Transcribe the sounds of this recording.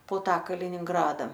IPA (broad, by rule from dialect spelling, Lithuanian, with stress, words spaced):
poː ˈtɑː kɐlʲɪnʲɪŋˈɡrɑːdɐ